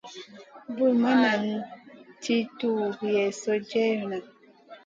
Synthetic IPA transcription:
bu˦ma˦na˨n˦ti˦tu˦˨ɾi˨jɛ˨so˦d͡ʒɛ˦˨na˨

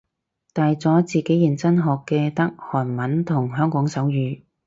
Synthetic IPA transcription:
t̪aː˨jt͡sɔː˨˥t͡siː˨ke˨˥jiː˨˩nt͡sɐ˥nɦɔː˨kːɛː˧t̪ɐ˥k̚hɔː˨˩nmɐ˨˥nt̪ʰʊ˨˩ŋɦœː˥ŋkɔː˨˥ŋsɐ˨˥wjyː˨˧

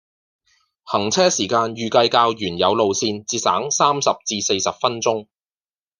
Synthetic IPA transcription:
hɐ˨˩ŋt͡sʰɛː˥siː˨˩kaː˧njyː˨kɐ˧jkaː˧wjyː˨˩njɐ˨˧wlo˨˧wsiː˧nt͡siː˧sa̰ː˨˥ŋsaː˥msɐ˨p̚t͡siː˧se˧jsɐ˨p̚fɐ˥nt͡sʊ˥ŋ

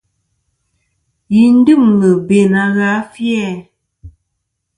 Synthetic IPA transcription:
ji˨n̩˦dɨ˦˨mːə˨be˨na˨˦ɣa˨˦fjɛ˦˨

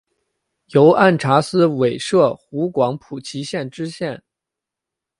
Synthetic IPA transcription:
jo˧˥ʊʔa˥˩nʈ͡ʂʰa˧˥sɹ̩˥we˨˩ɪʂɤ˥˩xu˧˥kwɑ˧˥ŋpʰu˨˩t͡ɕʰi˧˥ɕjɛ˥˩nʈ͡ʂɻ̩˥ɕjɛ˥˩n

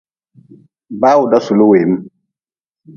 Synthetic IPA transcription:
ba˦wu˨da˦su˨lu˦we˨˦m˦

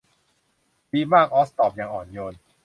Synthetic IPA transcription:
biː˧maː˥˩k̚ʔɔː˦˥st̪ɔː˨˩p̚jaː˨˩ŋʔɔ̰ː˨˩njo˧n

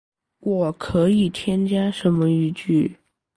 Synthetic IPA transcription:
wɔ˨˩kʰɤ˧˥i˨˩t̪ʰjɛ˥nt͡ɕja˥ʂə˧˥nmə˧y˧˥t͡ɕy˥˩

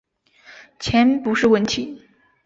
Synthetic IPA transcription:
t͡ɕʰjɛ˧˥npu˧˥ʂɻ̩˥˩˧wə˥˩nt̪ʰi˨˩˦

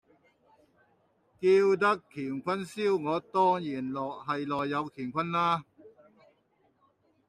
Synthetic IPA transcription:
kiː˧wt̪ɐ˥kʰːiː˨˩nkʰʷɐ˥nsiː˥wŋɔː˨˧t̪ɔː˥ŋjiː˨˩nlɔː˨˩k̚hɐ˨jlɔː˨jːɐ˨˧wk̪ʰiː˨˩nkʷʰɐ˥nlaː˥

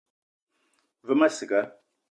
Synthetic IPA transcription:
və˦ma˦sɨ˨ɡa˦

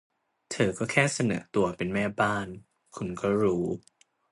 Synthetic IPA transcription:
t̪ʰɤː˧kɔː˥˩kʰɛː˥˩sa˧nɤ̰ː˩˦t̪u˧ɐpe˧nmɛː˥˩baː˥˩n | kʰu˧nkɔː˥˩ɾuː˦˥

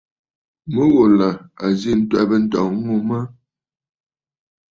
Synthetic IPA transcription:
mə˦ɣo˨la˨a˨zi˦˨n̩˦twa˦˨bə˦n̩˦tɔ̰˨˦ŋu˦mə˦

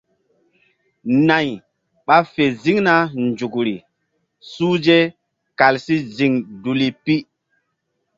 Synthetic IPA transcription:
na˨j | ɓa˦fe˨zi˦ŋna˦nd͡ʒu˨kɾi˨ | suː˦d͡ʒe˦ | ka˨lsi˦zi˨ŋdu˨li˨pi˦

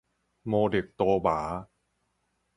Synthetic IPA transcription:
moː˧de˨˩k̚t̪oː˧baː˩˦

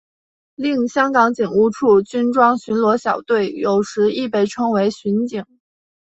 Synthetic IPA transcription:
li˥˩ŋɕjɑ˥ŋkɑ˧˥ŋt͡ɕi˨˩ŋu˥ʈ͡ʂʰu˥˩t͡ɕy˥nʈ͡ʂwɑ˥ŋɕy˧˥nlwɔ˧˥ɕjɑ˨˩ʊt̪we˥˩ɪjo˨˩ʊʂɻ̩˧˥i˥˧pe˥˩ɪʈ͡ʂʰɤ˥ŋwe˧˥ɪɕy˧˥nt͡ɕi˨˩˦ŋ

